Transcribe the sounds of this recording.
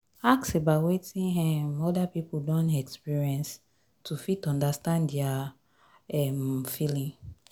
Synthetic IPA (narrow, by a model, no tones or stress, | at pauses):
aksebawetĩnɦɛ̃mɔdapipudɔ̃nɛkspiɹiɛ̃ns | tʰufitɔ̃ndastãndɛa | ɛmfilĩŋ